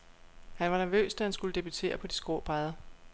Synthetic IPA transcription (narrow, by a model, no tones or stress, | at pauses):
hænʋɑ̈næɐʋø̰ːsd̥æhænsɡ̥uləd̥e̝b̥yt͡sʰe̝̰ːɐpʰɒ̽d̥i̥sɡ̥o̝ɐ̰b̥ʁɑðˠɐ